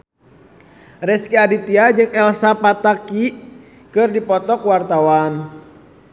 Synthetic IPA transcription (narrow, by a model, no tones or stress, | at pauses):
rɛskiadit̪iad͡ʒɨŋɛlsapat̪aki | kɨrdipɔt̪ɔkwart̪awan